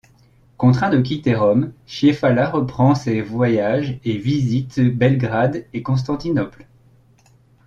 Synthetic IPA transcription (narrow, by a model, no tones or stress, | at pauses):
kɔ̃t̪χɛ̃d̪ək̬ʲit̪eʁɔmʃiefalaʁəpχɑ̃sevwajaʒevizit̪bɛlɡʁad̪ekɔ̃s̬t̪ɑ̃t̪inɔpl